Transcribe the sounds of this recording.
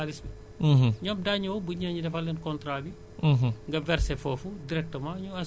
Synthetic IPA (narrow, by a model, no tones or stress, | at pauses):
aɾismi | ɲɔːmdaɲɐwbuɲaːɲudɛfɐlːɛnkɔntɾaːbi | ɦŋɡɐvɛrsɛfɔːfudiɾɛk̚təmãːɲuɐ